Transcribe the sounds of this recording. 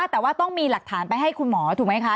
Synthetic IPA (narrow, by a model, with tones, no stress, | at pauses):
a˥˩t̪ɛː˨˩waː˥˩t̪ɔ˥˩ŋmiː˧la˨˩k̚t̪ʰaː˩˦npa˧jɦa˥˩jkʰu˧nmɔː˩˦t̪ʰu˨˩ma˦˥jkʰa˦˥